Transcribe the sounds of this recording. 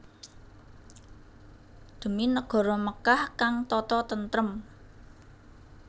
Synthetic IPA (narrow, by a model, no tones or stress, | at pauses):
d̪̥ə̤minəɡ̥ɔ̤ɾɔməkahkaŋt̪ɔt̪ɔt̪ənt̪ɾəm